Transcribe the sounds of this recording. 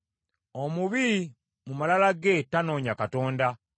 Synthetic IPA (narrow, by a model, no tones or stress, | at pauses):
omuβi | mumalalaɡe̞tano̞ːɲakato̞ːnda